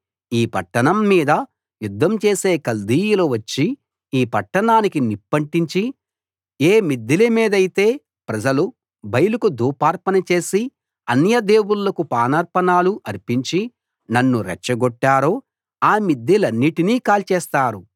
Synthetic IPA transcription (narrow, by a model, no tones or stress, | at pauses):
iːpɐʈːɐnɐmːiːd̪ɐ | jud̪ːɐmt͡ʃe̞ːse̞ːkɐld̪iːjuloʋɐt͡ʃːi | iːpɐʈːɐɳaːnikinipːɐɳʈiɲt͡ʃi | eːmid̪ːilɐmiːd̪ɐjit̪e̞ː | pɾɐd͡ʒɐlu | bɐjɐlukud̪uːpaːɾpɐnɐt͡ʃe̞ːsi | ɐnjɐd̪e̞ːwulːɐkupaːnɐɾpɐnaːluʔɐɾpiɲt͡ʃi | nɐnːuɾɛ̰t͡ʃːɐɡɔʈːaːɾoː | aːmid̪ːilɐnːiʈiniːkaːlt͡ʃɛːst̪aːɾu